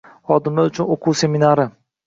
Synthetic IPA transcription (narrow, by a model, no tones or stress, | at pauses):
hɒd̪ɪmlaʊt͡ʃʰʊnoqʰuːse̞minaɾɪ